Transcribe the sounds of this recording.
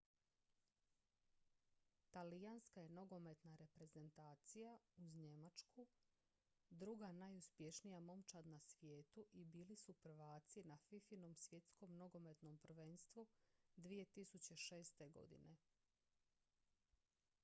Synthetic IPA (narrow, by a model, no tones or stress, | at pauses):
t̪alijanskaje̞no̞ɡo̞me̞t̪naɾe̞pɾe̞ze̞nt̪aːt̪sijauzɲe̞mat͡ʃku | d̪ɾuɡanajuspje̞ʃnijamo̞mt͡ʃad̪nasʋjeːt̪uʔibiːlisupɾ̩ʋaːt̪sinafifino̞msʋje̞t̪sko̞mno̞ɡo̞me̞t̪no̞mpr̩ʋe̞nst̪ʋud̪ʋije̞t̪isut͡ɕe̞ʃe̞ːst̪e̞ɡo̞̰d̪ḭne̞